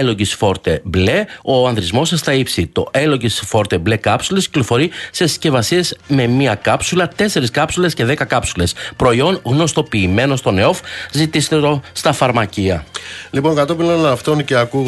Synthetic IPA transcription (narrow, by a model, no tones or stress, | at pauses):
eloɟisfo̞ɾt̪e̞ble̞o̞ɐnðɾizmo̞sɐst̪ɐipsit̪o̞̰ʔe̞lo̞ɟisfo̞ɾt̪e̞ble̞kɐpsulesci̥lo̞fo̞ɾise̞sce̞vɐsie̞zme̞miɐkɐpsulɐt̪e̞se̞ɾiskɐpsule̞sce̞ðe̞kɐkɐpsule̞spɾo̞io̞nɣno̞st̪o̞piːme̞no̞st̪o̞neo̞fzit̪iset̪eost̪ɐfɐɾmɐciɐlipo̞ŋkɐt̪o̞pilonɐft̪o̞nceɐkuɣ